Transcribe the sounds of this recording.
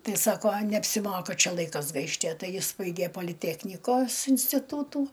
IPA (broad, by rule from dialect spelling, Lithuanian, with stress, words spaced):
ˈtɐɪ ˈsɑːkoː nʲɛɐpʲsʲɪˈmoːkɐ ˈt͡ʃʲɛ ˈlˠɐɪkɐs ˈɡɐɪʃʲtʲ ɐ ˈtɐɪ ˈjɪs ˈbɐɪɡʲeː poːlʲɪˈtʲæːknʲɪkoːs ɪnʲsʲtʲɪˈtuːtuː